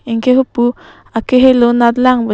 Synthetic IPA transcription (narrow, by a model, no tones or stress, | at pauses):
iŋkeɦupu | akeɦelonad̪laŋba